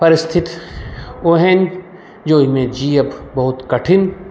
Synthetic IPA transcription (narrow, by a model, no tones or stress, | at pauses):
pɐɾɪst̪ʰɪt̪ | oɦɛn | d͡ʒoːimẽd͡ʒiːɐbbɐɦʊt̪kɐʈʰɪn